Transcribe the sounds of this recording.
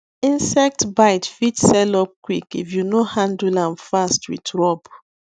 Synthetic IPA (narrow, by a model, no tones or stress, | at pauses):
ĩnsɛk̚tbaɪtfitsɛlɔp̚kwikḭfjunohãndulãnfastwḭtɹɔb